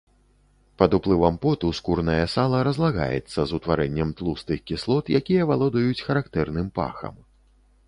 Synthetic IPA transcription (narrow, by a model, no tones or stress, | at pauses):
pɐd̪uplˠɨvɐmpɔt̪uskurnɐjɐsalˠɐɾɐzlˠaɣa̰jɛ̰t̪sːɐzut̪vaɾɛnʲːɛmt̪lˠust̪ɨxkʲislˠɔt̪jakʲijɐvalˠɔd̪ɐjut͡sʲxɐɾakt̪ɛrnɨmpa̰xɐ̰m